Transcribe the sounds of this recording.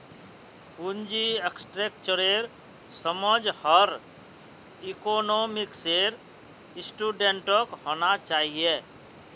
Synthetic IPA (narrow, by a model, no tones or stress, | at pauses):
pund͡ʒieksʈɾeːk̚t͡ʃəɾeɾ | səməd͡ʒhəɾ | ikoːnoːmɪkseɾ | ɪsʈuːɖẽɳʈokɦoːnat͡ʃaːɦie